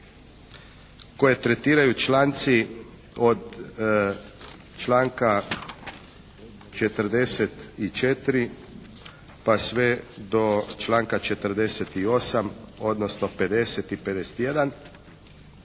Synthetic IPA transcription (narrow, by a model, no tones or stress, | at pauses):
ko̞jet̪ɾet̪iːɾajut͡ʃlaːnt̪si | od̪ | t͡ʃlaːŋka | t͡ʃet̪əɾd̪eset̪it͡ʃet̪ɾi | pasʋed̪o̞t͡ʃlaːŋkat͡ʃet̪əɾd̪eset̪io̞samo̞d̪nosnope̞d̪eset̪ipe̞d̪ese̥t̪jed̪an